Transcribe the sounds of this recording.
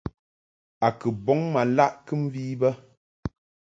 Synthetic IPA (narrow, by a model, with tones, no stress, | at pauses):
a˨kɨ˨bɔ˨˦ŋma˨la˦˨ʔkɨ˦m̩˦viː˦bə˦